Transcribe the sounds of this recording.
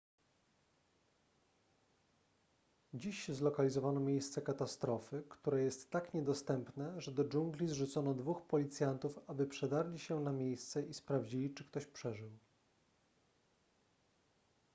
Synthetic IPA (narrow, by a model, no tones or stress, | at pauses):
d͡ʑiɕzlɔkalʲizɔvanɔmʲjejst̪sɛkat̪ast̪ɾɔfɘkt̪uɾɛjɛst̪ːakɲɛd̪ɔst̪ɛmpnɛʐɛd̪ɔd͡ʐuŋɡlʲizʐut̪sɔnɔd̪vuxpɔlʲit̪sʲjant̪ufabɘpʂɛd̪aɾlʲiɕɛnamʲjejst̪sɛʔispɾavd͡ʑilʲit͡ʂɘkt̪ɔɕpʂɛʐɘw